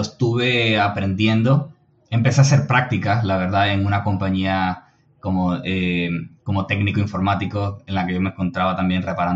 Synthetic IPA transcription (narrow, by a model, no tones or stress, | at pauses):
oest̪uβe̞apɾe̞nd̪je̞nd̪o̞ | empe̞sease̞ɾpɾak̚t̪ikalaβe̞ɾðae̞ŋũnako̞mpaɲia | ko̞moeko̞mo̞t̪e̞ɡniko̞iɱfo̞ɾmat̪iko̞enlake̞ʝo̞meŋko̞nt̪ɾaβat̪ambje̞nre̞paɾan